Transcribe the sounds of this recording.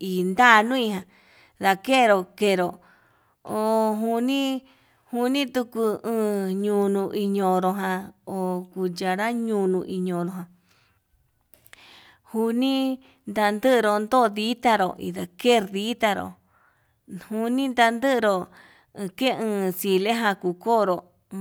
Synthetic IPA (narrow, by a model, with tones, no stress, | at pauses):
i˨nd̪a˦˧nũ˦ĩ˧hã˨ | ða˧ke˦˧ɾo˧˨ke˧˨ɾo˨ | o˨˧ɦu˧nĩ˦ | hu˧nĩ˦t̪u˧ku˧ɨ̃ː˦˧ɲũ˧nũ˧ʔi˧ɲõ˧ɾo˧ɦã˧o˨ku˧d͡ʒa˧ɾa˦ɲũ˧nũ˧ʔi˧ɲõ˧˨ɾo˧ɦã˨ | hu˧nĩ˦ | nd̪a˧nd̪ɨ˦ʔɾo˧nd̪o˦˧ði˦t̪a˧ɾo̰˨ḭ˧˨ða˨ke˦˨˧ɾði˦t̪a˧ɾo̰˨ | hu˧nĩ˦nd̪a˧nd̪ɨ˦ʔɾo˧ | ke˦˧ɨ̃ː˧si˧le˦ɦã˧ku˧koː˦˨˧ɾo˨